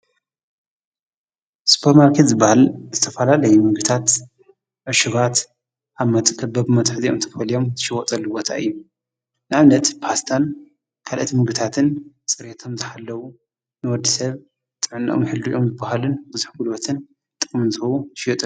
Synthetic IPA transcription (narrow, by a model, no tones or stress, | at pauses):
spʰoɾmaɾkʰet̪zɨbːahalzɨt̪ʰɐfɐlalɐjumɨɡɨt̪ʰat̪ | ʕɨʃuɡat̪ | ʔaβmɐt̪ʼkʰʼɐbɐbɨmɐt̪ʼħziomt̪ʰɐfɐlijo̞mzʰɨʃiwɔt̪ʼɐlːubo̞t̪ʰa̰ʔɨjːu | nɨʕaβnɐt̪pʰast̪ʰan | kʰalʔɐt̪imɨɡɨt̪ʰat̪ʰɨn | t͡sʼɨɾet̪ʰomzɨħalːɐwu | nɨwɔd̪ːisɐβ | t̪ʼɨʕnːɐ̰ʔomħɨld̪uʔomzɨbːahalɨnbɨzuħɡulot̪ʰɨn | t̪ʼɨkʼmɨnzɨhɐwuɨʃwɔt̪ʼɨ